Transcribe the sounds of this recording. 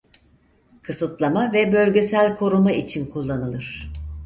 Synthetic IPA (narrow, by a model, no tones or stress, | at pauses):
kʰɯsɯt̪lˠamavɛbø̞lʲɟe̞sælʲkʰo̞ɾumait͡ʃʰinkʰulˠːanɯlˠɯɾ̥